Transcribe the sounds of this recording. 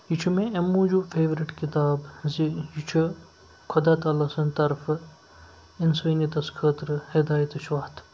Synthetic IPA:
jit͡ʃʰumẽɐmːuːd͡ʒufʰeːʋɾiʈkit̪aːbzijit͡ʃʰu | kʰʊd̪aːt̪aːlɐsɐnt̪ɐɾf | ɪnsɐːnit̪ɐskʰəːt̪ɾɨhɪd̪aːjɐt̪it͡ʃʰʋaːt̪ʰ

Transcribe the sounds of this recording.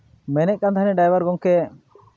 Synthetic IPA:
mɛnɛʔ̚kant̪ʰanɛɖajbaɾɡɔŋkɛ

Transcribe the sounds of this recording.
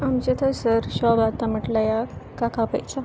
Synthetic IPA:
amt͡ɕet̪ʰəsəɾɕɔbat̪aməʈlajakakapə̰jt͡ɕa

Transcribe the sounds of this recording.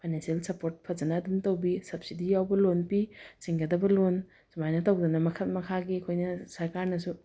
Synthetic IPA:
pʰajnensielsɐpoɾt̚pʰɐd͡ʒɐnɐːdumtowbisɐp̚sidijawbɐlonpisiŋɡɐdɐbɐlon | sumajnɐtɐwdɐnɐmɐkʰɐt̚mɐkʰaɡikʰojnɐsɐɾkaɾnɐsu

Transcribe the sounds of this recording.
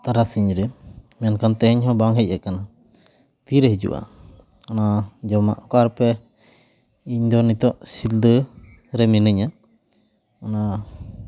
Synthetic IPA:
t̪aɾasiɲɾɛmɛnkant̪ɛhɛɲɦɔ̃baŋɦɛc̚ˀɛkana | t̪iɾɛɦid͡ʒṵʔa̰ | anad͡ʒɔma̰ʔɔkaɾpɛ | iɲd̪ɔnit̪ɔʔsild̪ə | ɾɛminəɲa | ana

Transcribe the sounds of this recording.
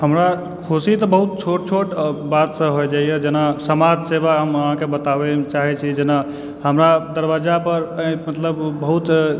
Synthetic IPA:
həmɾa | kʰusit̪ɔbəɦut̪̚t͡ʃʰoʈ̚t͡ʃʰoʈbat̪sə̃ɦojd͡ʒaijed͡ʒenasəmad͡ʒʱsebaɦəməɦãkebət̪abɛt͡ʃaɦɛt͡ʃʰid͡ʒena | ɦəmɾad̪əɾbad͡ʒapəɾmət̪ləbːəɦut̪

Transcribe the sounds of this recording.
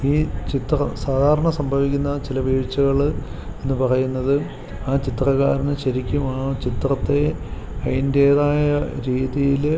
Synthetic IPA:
iːt͡ɕit̪rɐ̰saːd̪ʱaːɾɐɳɐsɐmbʱɐʋikʲːunːɐt͡ɕilɐʋiːɻt͡ɕːɐɣɐɭenːɨpɐrɐjunːɐðɨ | aːt͡ɕit̪rɐkːa̰ːɾɐnɨɕɐɾikʲːumaːɳot͡ɕit̪rɐt̪ːe̞ | ɐjinde̞ːðaːjɐɾiːðijil

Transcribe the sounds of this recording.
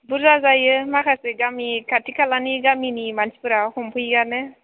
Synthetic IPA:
buɾzazajɯmakʰaseɡamikʰatʰikʰalaniɡaminimanspɯɾahumpʰujɡanɯ

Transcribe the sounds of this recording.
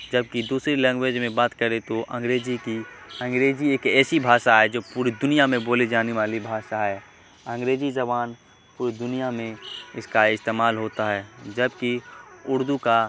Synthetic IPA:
d͡ʒəb̚kid̪uːsɾilɛ̃ːŋɡweːd͡ʒmẽbaːt̪kəɾet̪oʔɐ̃ŋɡɾeːd͡ʒikiɐ̃ŋɡɾeːd͡ʒieːkɛːsibʱaːʃaɦɛd͡ʒoːpuːɾid̪ʊnijamẽboːlid͡ʒaːneʋaːlibʱaːʃaɦɛː | ɐ̃ŋɡɾeːd͡ʒid͡ʒɐβaːn | puːɾid̪ʊnijamẽɪskaɪst̪eːmaːlɦoːt̪aɦɛːd͡ʒɐbkiʊɾd̪uka

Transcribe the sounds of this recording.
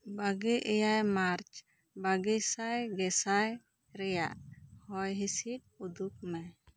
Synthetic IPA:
baɡɛʔɛjajmaɾt͡ʃ | baɡɛsajɡɛsaj | ɾɛjaʔhɔjɦisit̚ | ud̪uk̚mɛ

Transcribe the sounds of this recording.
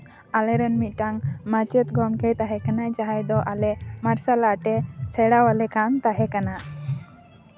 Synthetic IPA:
alɛɾənmit̪̚ˀʈaŋmat͡ʃɛt̪ɡɔmkɛjt̪aɦɛkanat͡ʃaɦajd̪ɔʔalɛmaɾsalaʈɛsɛɽawalɛkant̪aɦɛkana

